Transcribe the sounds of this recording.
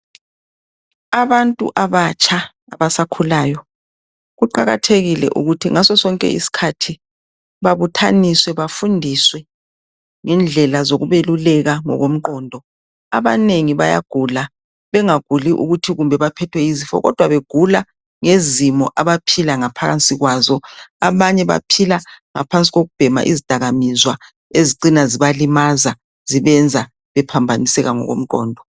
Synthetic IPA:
aβantʼṵʔaβat͡ʃʰʼa | aβasakʰulaːjɔ | ɣuǃaɣa̰tʰeɣilɛ̰ʔṵɣutʰiŋasɔsɔŋkʼɛ̰ḭsi̥kʰatʰi | βaβutʰaniswɛβafundʱiswɛ | ŋɛnd͡ɮʱɛlazoɣuβelulɛɣaŋɔ̰ɣom̩ǃɔːndʱɔ | a̰βaneŋiβaja̰ɡ̥ʱula | βɛŋaɡ̥ʱuliʔṵɣutʰiɣumbʱɛβapʰɛtʰwɛizifɔ̰ɣɔ̰d̥ʱwaβeɡ̥ʱula | ŋezimɔʔaβapʰilaŋapʰaɣa̰nt͡sʼiɣwazɔaβaɲɛβa̰pʰilaŋapʰant͡sʼiɣoɣub̥ʱɛma̰ʔizid̥ʱaɣamizwa | eziǃinaziβalimaza | z̥iβɛnd͡zʱa | βɛpʰambʱanisɛɣaŋɔ̰ɣo̰m̩ǃɔ̰ːndʱɔ

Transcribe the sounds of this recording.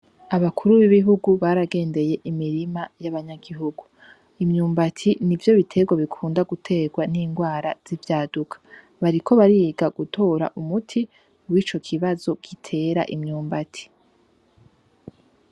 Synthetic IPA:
aβakʰuɾuβiβiɦuɡuβaɾaɡe̞ːnde̞je̞ʔimiɾimajaβaɲaɡiɦuɡu | imɲuːmbatʰinivjo̞βitʰe̞ɡwaβikʰuːndaɡutʰe̞ːɡwaniːŋɡwaːɾa̰z̥ivjaːdukʰḁ | βaɾikʰo̞βaɾiɡaɡutʰo̞ːɾa̰ʔumutʰi | wiːt͡ʃo̞kʰiβazo̞ɡ̥itʰe̞ːɾa̰ʔimɲuːmbatʰi̥

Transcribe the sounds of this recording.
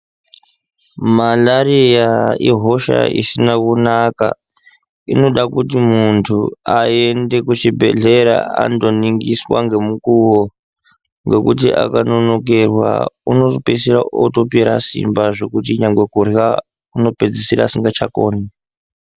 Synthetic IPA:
malaɾijaiɦoʃa̰ḭsinakunaka̰ | ino̞ɗakutimuntʰuae̞nde̞kut͡ʃibʱe̞̰ɮe̞ɾa̰a̰ndo̞niŋɡiswa̰ŋɡe̞mukuwo | ŋɡe̞kutiʔa̰kano̞no̞k̬erwa̰uno̞ropesiɾaoto̞piɾa̰sḭmbaʐe̞kutiɲaŋɡwe̞kurja | kuno̞ped͡zisiɾa̰siŋɡat͡ʃakoːni

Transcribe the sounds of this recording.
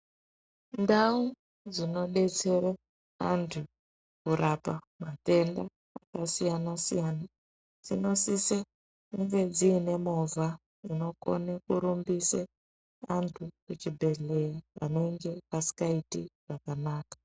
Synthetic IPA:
ndau | d͡zino̞ɗe̞t͡se̞ɾe | antʰu | kuɾʔapa | mate̞ndaː | kasijanasijana | d͡zino̞sise | kuŋɡe̞d͡ziːne̞mova | ino̞ko̞̰nekuɾumbise | antʰukut͡ʃibʱe̞ɮe̞jaa̰ne̞ŋɡe̞pasi̥kaitiʐ̥akanaːkḁ

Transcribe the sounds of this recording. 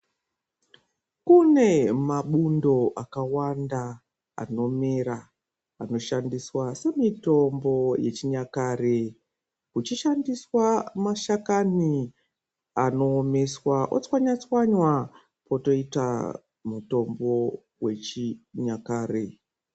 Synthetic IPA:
kune̞maɓundo̞ʔakawanda | a̰no̞me̞ɾa | ano̞ʃandiswase̞mito̞mbo̞je̞t͡ʃiɲakaːre | kut͡ʃiʃandiswamaʃakani | ano̞ːme̞swaʔo̰t͡swaɲat͡swaɲwa | po̞to̞ita̰ | muto̞mbo̞ | we̞t͡ʃiɲakaːre

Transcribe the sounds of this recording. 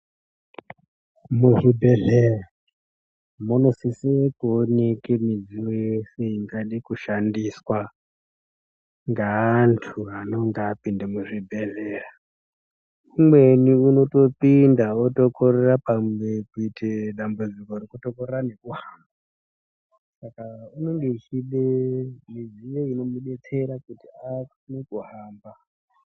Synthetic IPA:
muʐibʱe̞ɮera | monosisiekonikemid͡ziwojese̞iŋɡaɗikuʃandiswa | ŋɡaːntʰuano̞ŋɡaːpindamuʐibʱe̞ɮera | umwe̞niuno̞to̞pindaoto̞kʰorerapamwekuitʰeɗambud͡ziko̞rikuto̞korerane̞kuɦaːmba | sakauno̞ŋɡe̞it͡ʃiɗemiziʋoino̞muɗe̞t͡se̞ɾakutiakunekuɦaːmba

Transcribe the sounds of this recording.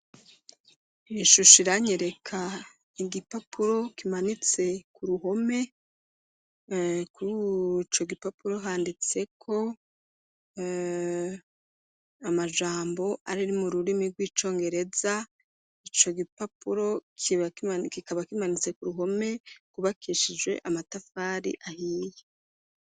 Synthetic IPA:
iʃuʃiɾaɲeɾe̞kʰa | iɡipapuɾo̞kimanit͡se̞kuɾuɦo̞me̞ | kut͡ʃo̞ɡipapuɾo̞ɦaːndit͡se̞kʰo̞ | amaʒaːmbo̞aɾiɾimuɾuɾimiɾɡwiːt͡ʃo̞ːŋɡe̞ɾe̞za | it͡ʃo̞ɡipapuɾo̞kʰikikaβakimanit͡se̞kuɾuɦo̞me̞kuβakʰiʃid͡ʒwe̞̰ʔamatafaːɾḭʔahiːje

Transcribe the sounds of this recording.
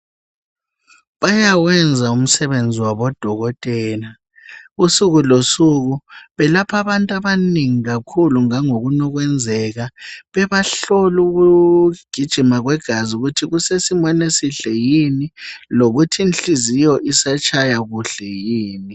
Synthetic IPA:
βajaɣwɛnd͡zʱaum̩sɛβend͡zʱiwaβɔd̥ʱɔɣɔtʼɛːna | usuɣulosuɣuβɛlapʰaβantʼaβaneŋiɣakʰuluŋaŋoɣunɔɣwɛnd͡zʱɛɣaβɛβaɬoluɣuɡ̥ʱid̥ʒ̥ʱimaɣwɛɡ̥ʱaziuɣutʰiɣusesimɔnesiɬɛjiniloɣutʰinɬizijɔʔisat͡ʃʰajaɣuɬɛjiːni

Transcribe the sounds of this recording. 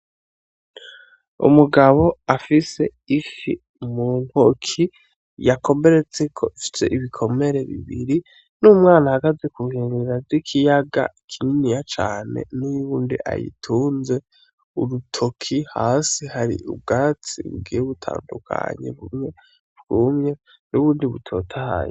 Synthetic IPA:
ṵmuɡaβo̞afise̞ | iʃḭ | munhokʰi | jako̞me̞ɾe̞t͡se̞kʰo̞̰ifi̥se̞̰ʔiβikʰo̞me̞ɾe̞βḭβḭɾi | numŋaːnahaɡazekuheniɾazikʰijaɡa̰ikʰininijat͡ʃaːne̞̰nuuːndiʔa̰jḭtʰuːnze̞ | uɾutʰo̞kʰihaːsihaɾḭʔṵbɡaːt͡sḭβṵɡiːjeβutʰa̰ːndukʰa̰ɲḛβumɲe | βɡumɲe̞ | nuβuːndiβutʰo̞̰ːtʰaha̰jo̰

